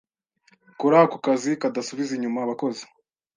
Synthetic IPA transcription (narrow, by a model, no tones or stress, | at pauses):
kuɾahakukazikadasuβiziɲumaβako̞ze̥